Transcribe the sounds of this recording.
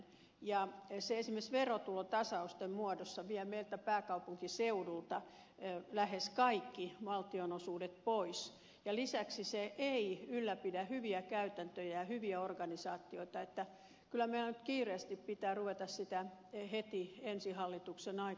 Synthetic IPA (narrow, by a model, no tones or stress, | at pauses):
jɑseesimːesʋerot̪ulot̪ɑsɑust̪emmuɔdosːɑʋiæmeilt̪æpæːkɑupuŋkiseudult̪ɑ | læheskɑikːiʋɑlt̪ionosuːdet̪̚pois | jɑlisæksiseʔeiylːæpidæhyʋiækæyt̪ænt̪øjæjɑhyʋiæorɡɑnisɑːt̪ːioit̪ɑet̪ːæ | kylːˑæmeilænyt̪kiːreːst̪ippit̪æːruʋet̪ɑssit̪æhet̪iensihɑlːit̪uksenɑi